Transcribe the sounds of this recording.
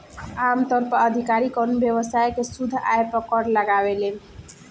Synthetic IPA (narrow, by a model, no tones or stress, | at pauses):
amt̪ɔɾpəəd̪ʱikaɾikɔnbjeβəsaekesud̪ʱːa̰jpəkɔɾləɡabele